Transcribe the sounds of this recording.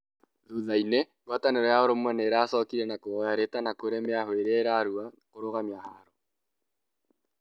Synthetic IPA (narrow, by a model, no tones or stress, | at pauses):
ðuðaine | ɡwataneɾɔjaoɾomwɛneɾaːsɔːkiɾɛnakoɔjaɾetanakoɾemeaɦweɾɛɾaɾua | koɾoɣamjahaɾɔ